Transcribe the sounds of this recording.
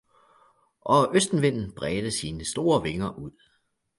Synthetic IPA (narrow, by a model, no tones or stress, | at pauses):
ʔɒ̽ʔøsd̥n̩ʋe̝n̰n̩b̥ʁɛːd̥əsiːnəsd̥o̝ːɐʋe̝ŋɐʔuð̰ˠ